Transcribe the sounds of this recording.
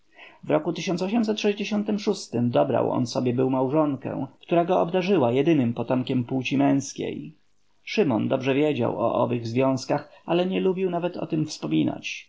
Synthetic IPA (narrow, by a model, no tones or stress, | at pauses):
vɾɔkut̪ɘɕ̬ɔnt̪sɔɕ̬ɛms̬ɛt̪ʂɛʑd͡ʑeɕɔnt̪ɘmʂust̪ɘmd̪ɔbɾa̰wɔ̰nsɔbʲjɛbɘwmawʐɔŋkɛ̰̃kt̪uɾaɡɔːbd̪aʐɘwajɛd̪ɘnɘmpɔt̪ɔmkʲɛmpuwt͡ɕimɛ̃w̃skʲḛj | ʂɘmɔnd̪ɔbʐɛvʲjed͡ʑa̰wɔ̰ʔɔ̰vɘɣzvʲjɔ̃w̃skaxʔalɛɲɛlubʲiwnavɛt̪ɔ̰t̪ɘmfspɔmʲina̰t͡ɕ